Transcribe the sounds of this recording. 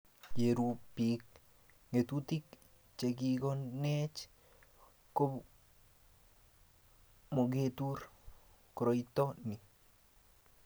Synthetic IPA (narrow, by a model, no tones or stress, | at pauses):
jeɾupik | ŋet̪ut̪ik | t͡ʃeɡiɡonet͡ʃ | kop | moɡet̪uɾ | kɾojt̪oni